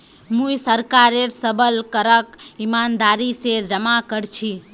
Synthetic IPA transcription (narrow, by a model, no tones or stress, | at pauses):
mũjsəɾkaɾeɾsəbəlkəɾəkimand̪aɾised͡ʒəmakəɾt͡ʃʰi